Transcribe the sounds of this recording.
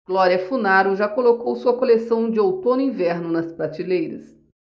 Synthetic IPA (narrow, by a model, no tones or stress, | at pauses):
ɡ̥lɔɾiɐfunaɾʊʒakolokowsuɐkolesɐ̃w̃d͡ʒɪowt̪õnʊĩvɛɾnʊnɐspɾat͡ʃilejɾɐ̰s